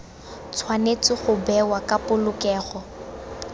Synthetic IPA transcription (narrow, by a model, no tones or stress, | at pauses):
t͡sʰwanet͡sɪχʊbɛwakʼapʊlʊkɛːɣɔ